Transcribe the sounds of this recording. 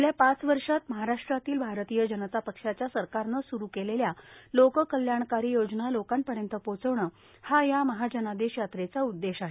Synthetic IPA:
ljapat͡sʋəɾʂat̪məɦaɾaʂʈɾat̪iːlbʱaɾt̪ijəd͡ʑənət̪apəkʂat͡ɕjasəɾkaɾnəsuɾukeleljalokəkəljaɳkaɾijod͡ʑnalokanpəɽjənt̪əpot͡səʋɳə | hajaməɦad͡ʑənad̪eɕjat̪ɾet͡saud̪ːeɕaɦe

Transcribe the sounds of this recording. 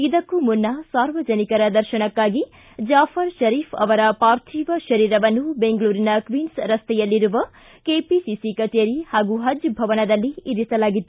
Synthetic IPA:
id̪ɐkːumunːɐsaːɾʋɐd͡ʒɐnikɐɾɐd̪ɐɾʃɐɳɐkːaːɡi | d͡ʒaːfʰɐɾʃɐɾiːfʰɐ̰ʋɐɾɐpaːɾt̪ʰiːʋɐʃɐɾiːɾɐʋɐnːubeŋɡɐɭuːɾinɐkʋiːnsɾɐst̪ɛjɐlːiɾuʋɐ | keːpisisikɐt͡ʃjɐɾihaːɡuɦɐd͡ʒbʱɐʋɐnɐd̪ɐlːiiɾisɐlaːɡit̪ːu

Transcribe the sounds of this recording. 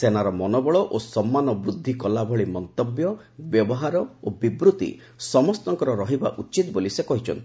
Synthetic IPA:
senaɾɔmɔnɔbɔɭɔʔosɔmːanɔbɾud̪ʱːikɔlabʱɔɭimɔnt̪objɔ | bjɔbɔɦaɾɔobibɾut̪ḭ | sɔmɔst̪ɔŋkɔɾɔɾɔɦiba̰ʔut͡ʃit̪bolisekɔɦit͡ʃʰɔ̰nt̪ʰi̥

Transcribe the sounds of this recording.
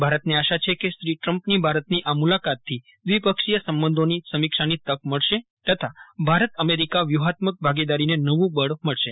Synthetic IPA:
bʱaɾət̪niaʃat͡ʃʰekesɾiʈɾəmpnibʱaɾət̪niʔamulakat̪ʰːi | d̪ʋipəkʃijəsəmbənd̪ʱonisəmikʃanit̪əkməɭʃet̪ət̪ʰabʱaɾət̪əmeɾikaʋjuɦat̪mək̚bʱaɡid̪aɾinenəʋũbəɽməɭʃe

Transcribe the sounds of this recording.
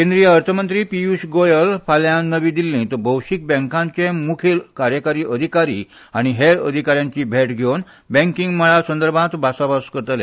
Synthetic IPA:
kẽnd̪ɾijəːɾt̪ʰəmənt̪ɾiːpiusɡojəlfʰaljãnəʋĩd̪ilːĩt̪əbəwɕik̚bɛ̃ŋkãɲt͡ɕẽmukʰilkaɾjəkaɾiːʔəd̪ʱikaɾḭː | aɽ̃iɦeɾə̰d̪ʱikaɾjãɲt͡ɕiːbʱeʈɡʱown | bɛ̃ŋkĩŋɡməɭasənd̪əɾbʱãt̪basabaskəɾt̪lɛ̰̃

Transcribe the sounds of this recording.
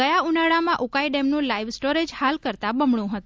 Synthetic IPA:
əjaunaɭamãʔukaiɖemnũlaiʋsʈoɾed͡ʒhalkəɾt̪abəmɳũɦət̪

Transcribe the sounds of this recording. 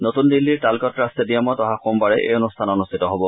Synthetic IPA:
notund̪ilːiɹtalkɔtɹastediamɔtɔɦaxombaɹɛʔḛjonustʰanɔnustʰitɔɦɔbɔ

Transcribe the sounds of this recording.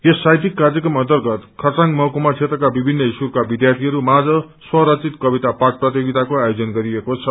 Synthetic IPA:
jesːajt̪ikːarjʌkrʌmʌ̃nt̪ʌrɡʌt̪kʰʌrt͡saŋmʌkomat͡sʰet̪rʌkabibʱinːʌisurkabid̪jart̪ʰiɦʌɾumad͡zʌ | swʌɾʌt͡sit̪kʌbit̪apak̚prʌt̪joɡit̪akoajod͡zʌnɡʌɾiekot͡sʰʌ

